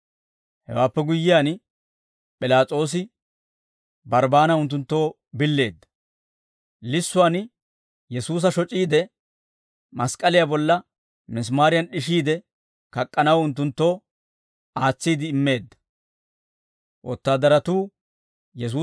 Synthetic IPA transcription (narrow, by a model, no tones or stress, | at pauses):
hɛ̰waːpːɛɡʊjːɪjaːn | pʼɪlaːt͡sʼo̞ːs̬ɪ | bɐɾbaːnɐʊnt̪̬ːʊnt̪ːo̞ː | bɪlːe̞ːd̪ːɐ̥ | lɪsːʊaːn | jɛsuːs̬ɐʃɔt͡ʃʼiːd̪ɛ | mɐskʼɐlɪjaːbɔlːɐ | mɪs̬maːɾɪjɐnɗɪʃiːd̪ɛ | kɐkʼːɐnɐwʊnt̪̬ːʊnt̪ːo̞ː | aːt͡sːiːd̪ɪːmːe̞ːd̪ːɐ̥ | ʔɔ̰t̪ːaːd̪ɐɾɐt̪uː | jɛs̬uː